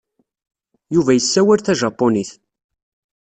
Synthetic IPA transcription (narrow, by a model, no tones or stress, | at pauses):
juvæjəsːæwælθæʒɑpːoniθ